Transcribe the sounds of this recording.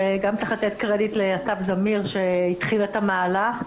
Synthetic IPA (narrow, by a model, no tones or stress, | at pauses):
eɡamt͡saχlat̪et̪kʁedit̪le̞asafzamiʁʃe̞itχiletamaːla